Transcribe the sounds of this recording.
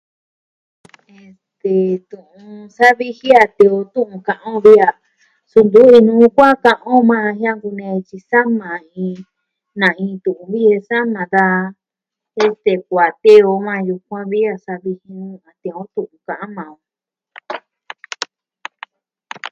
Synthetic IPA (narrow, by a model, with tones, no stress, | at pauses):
e˧st̪e˨t̪ũ˨ũ˧sa˦βi˧hi˦a˧t̪ẽ˧o˧t̪ũ˦ʔũ˧kã˧ʔã˦˧βi˦a˧ | su˧nd̪u˦i˧nũː˦kʷa˦kã˧ʔõ˦mã˧hjã˦ŋku˧nẽ˧t͡ʃi˧sa˦mã˨ĩ˧ | nã˨ĩː˧t̪ũ˨ũ˧βi˦e˧sa˦mã˨ða˧ | e˦st̪e˨kʷa˨t̪e˦o˧mã˧ju˧kʷã˦βi˦a˧sa˧βi˧hi˧ũ˧a˨t̪ẽ˧õ˦t̪ũ˨ʔũ˧˨kã˨ʔã˦mã˨õ˧